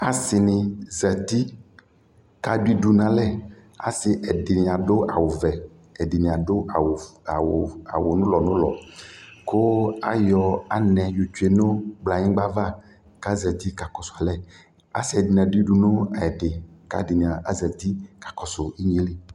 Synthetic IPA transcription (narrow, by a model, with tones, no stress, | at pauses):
a˨sɪ˨nɪ̃˨zɛ˨t̪i˦ | ka˦ɖi˦ɖu˦nã˦lɛ˦ | a̰˨sɪ˨ʔɛ˨dɪ˨nĩ˨a˨ɖo˦a˨wo˨vɛ˨ | ɛ˨dɪ˨nĩ˨a˨ɖo˦a˨wa˨wa̰˨wo˨nʊ̃˦lɔ˨nʊ̃˦lɔ̰˨ko˦a˦jɔ˨a˨nɛ̃˨jo˨t͡ʃu˨˦e˨nõ˦ɡ͡bla˨ɲĩ˦ɡ͡ba˦va˦ | ka˦zɛ˨t̪i˦ka˨kɔ˨sʊ˨a˨lɛ˦ | a̰˨si˨ɛ˨di˨nã˨ɖi˦ɖu˨nʊ̃˦a˨ɛ˨ɖɪ˨ka̰˦dɪ˨nĩ˨a˨ʔa˦zɛ˨t̪i˦kḁ˨kɔ˨sʊ˨i˦ɲ˨ĩ˨˦li˦